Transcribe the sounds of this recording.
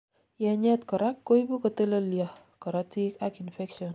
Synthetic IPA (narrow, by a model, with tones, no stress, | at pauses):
jɛ˨ɲɛ˦t̪kɔ˨ɾa˦kːo˦i˦bu˦kɔ˨t̪e˦lo˦ljɔ˨ | kɔ˨ɾa˨ti˦ka˦ki˨nfɛ˦kʃɔ˨n